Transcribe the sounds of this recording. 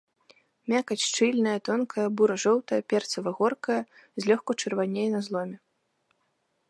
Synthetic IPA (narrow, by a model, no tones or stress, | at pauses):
mʲakɐt͡sʲʂt͡ʂɨlʲnɐjɐt̪ɔnkɐjɐbuɾɐʐɔwt̪ɐjɐpʲɛrt̪sɐvɐɣɔrkɐjɐ | zʲlʲɔxkɐt͡ʂɐrvanʲejnɐzlˠɔmʲɛ